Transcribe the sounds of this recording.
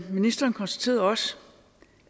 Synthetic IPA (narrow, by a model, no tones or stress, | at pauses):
minisd̥ɐːnkʰɒnsd̥æ̥t͡sʰe̝̰ːɐðˠɒ̽s